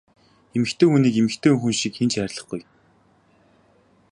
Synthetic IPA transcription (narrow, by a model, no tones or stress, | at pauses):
emɘ̆xt̪ʰeːxuniːkemɘ̆xt̪ʰeːuŋxunʃikxent͡ɕæɾʲɮə̆χɡuj